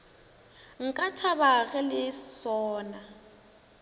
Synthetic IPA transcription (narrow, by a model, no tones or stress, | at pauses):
ŋ̩kʼatʰaβaɣɛlɪsɔːna